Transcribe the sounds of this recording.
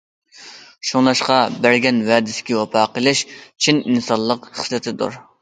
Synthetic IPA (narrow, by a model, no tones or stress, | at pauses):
ʃuŋlˠɑʃqɑbæɾɡʲɛnwɛːd̪ɪsɪ̥kʲɛwɑpʰɑːqəlˠɪʃt͡ʃʰininsɑnllˠːəqχə̥slɨt̪ʰɪd̪ṵɾ